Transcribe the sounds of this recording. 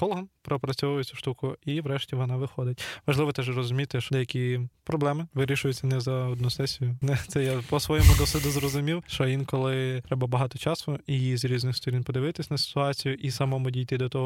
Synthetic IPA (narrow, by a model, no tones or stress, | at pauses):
kɔlˠɦɐnpɾɔpɾɐt͡sʲɔʋʊjet͡sʲuʃt̪ukʊiʋɾɛʃtʲiʋɔnɑʋɪxɔd̪ɪtʲʋɐʒlˠɪʋɔt̪ɛʒrɔzʊmʲit̪ɪʃd̪ɛjɐkʲipɾɔblˠɛmɪʋɪɾʲiʃʊjʊt͡sʲːɐnɛzɐɔd̪nusɛsʲijʊnɛt̪sɛjapɔsʋɔjɛmʊɡɔsɪd̪ʊzrɔzʊmʲiwʃt͡ʃɔʋʲinkɔlˠɪt̪ɾɛbɐbɐɦɑt̪ɔt͡ʃɑsʊijizɾʲiznɪxst̪ɔɾʲinpɔd̪ɪʋɪt̪ɪsʲnɐsʲɪ̥t̪ʊɑt͡sʲijʊʔisɐmɔmʊdʲijt̪ɪd̪ɔt̪ɔɦɔ